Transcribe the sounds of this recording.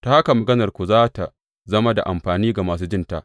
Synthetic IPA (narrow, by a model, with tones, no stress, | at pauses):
ta˦ha˦ka˨mɐ˨ɡɐ˦nɐ˨rkʷu˨zaː˦ta˨ | zɐ˦ma˦da̰˨ʔa˨mɸaː˨niː˦ɡa˨maː˨s̬uː˦d͡ʒɪ˦nta˦ʔ